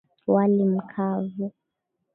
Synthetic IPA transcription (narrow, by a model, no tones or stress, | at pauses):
walim̩kʰavu